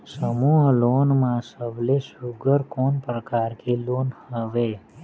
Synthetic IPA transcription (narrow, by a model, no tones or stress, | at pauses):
səmuɦlonmãsəʋlesuɡəɾkonpɾəkaɾkʰelonhəʋe